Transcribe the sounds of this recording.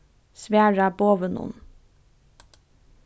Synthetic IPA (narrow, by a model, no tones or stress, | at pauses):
sʋæːɹɑboːʋənṵn